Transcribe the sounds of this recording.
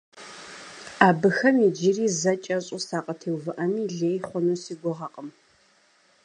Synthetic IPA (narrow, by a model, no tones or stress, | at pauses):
aːbɨxɐmid͡ʒɪriːzɐt͡ʃʼɐɕʼʊsaːqʼɐtʰeːwvɨʔɐmiːɮeːjχʷɔnuːsiːɡʷʊʁɐqʼəm